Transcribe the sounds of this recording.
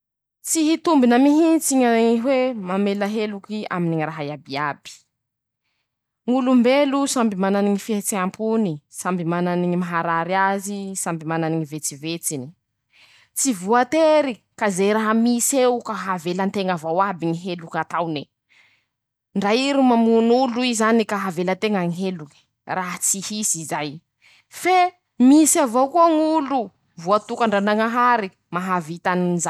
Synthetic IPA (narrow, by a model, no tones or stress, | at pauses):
t͡siɦit̪umbinəmiɦit͡siɲaiɦwemamelaɦelukia̰miniŋraɦajabiabi̥ | ŋulumbelusambimananiŋifiet͡seampʰunisambimananiɲimaɦaɾaɾiazisambimananiŋivet͡sivet͡sini̥ | t͡sivuat̪eɾi | kazejɾaɦamisewkaɦavelant̪eŋavowabiɲiɦelukat̪awni | ɳɖ͡ʐaiɾumamunuluizanikaɦavelət̪eŋaŋiɦeluŋi̥ | raɦat͡sihisizaj | fe | misavowkuaŋulu | vuat̪ukaɳɖ͡ʐanaŋaɦaɾi | maɦavit̪aniniza